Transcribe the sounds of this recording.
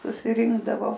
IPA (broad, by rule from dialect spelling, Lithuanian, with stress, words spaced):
sʊsʲɪˈrʲɪŋɡdɐʋoː